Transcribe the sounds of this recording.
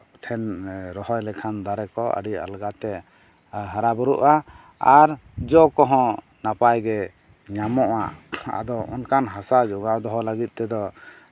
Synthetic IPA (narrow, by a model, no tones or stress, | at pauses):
t̪ʰɛnɾɔɦɔjlɛkʰand̪aɾɛkɔə̰ɖia̰lɡat̪ɛ | ɦaɾabɔɾuʔa | aɾd͡ʒɔkɔɦɔ̃ | napajɡɛ | ɲamɔʔa̰a̰d̪ɔʔɔnkanɦasad͡ʒɔɡawd̪ɔɦɔlaɡit̪̚ˀt̪ɛd̪ɔ